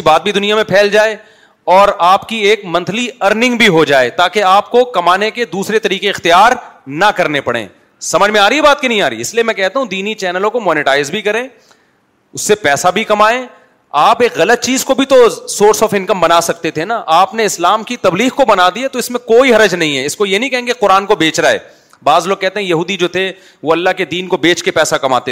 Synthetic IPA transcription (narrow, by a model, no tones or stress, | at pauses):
ibaːt̪̚bʱid̪ʊnijamẽpʰɛːld͡ʒaːe | ɔːɾaːpkieːkmɐ̃nt̪ʰliɐɾnɪ̃ŋɡbʱiɦod͡ʒaːet̪aːkeaːp̚kokɐmaːneked̪uːsɾet̪ɐɾiːkeɪxt̪ijaːɾnɐkɐɾnepɐɽḛ̃ː | sɐməd͡ʒmẽaːɾiɛbaːt̪̚kinɐɦĩaːɾəḭːɪsliemɛ̃kɛɦt̪aɦũd̪iːnit͡ʃɛːnəlõkomɔːnɪʈaːɪzbʱikɐɾẽː | ʊsːepɛːsabʱikɐmaːẽː | aːpeːkɣɐlət̪̚t͡ʃiːzkobʱit̪osoːɾsɔːfɪ̃nkəmbɐnaːsɐk̚t̪et̪ʰenaʔaːpneɪslaːmkit̪ɐbliːɣkobɐnaːd̪iat̪oɪsmẽkoːiɦɐɾəd͡ʒnɐɦĩɦɛɪskojenɐɦĩkɛɦẽːŋɡeqʊɾaːnkobeːt͡ʃɾaɛ̰ː | baːzloːɡ̚kɛɦt̪eɦɛ̃jɐɦuːd̪id͡ʒoːt̪ʰe | ʋoɐlːaɦked̪iːnkobeːt͡ʃkepɛːsakɐma̰ːt̪e